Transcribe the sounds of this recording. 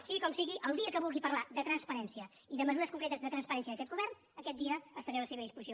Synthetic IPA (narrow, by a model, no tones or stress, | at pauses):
siɣikɔmsiɣiʔəlˠd̪iəkəβulˠɣipəɾlad̪ət̪ɾənspəɾɛnsiə | iðəməzuɾəskuŋkɾet̪əzðət̪ɾənspəɾɛnsiəəkɛt̪̚ɡuβɛrn | əkɛt̪̚d̪iəəst̪əɾɛləseβəðispuzio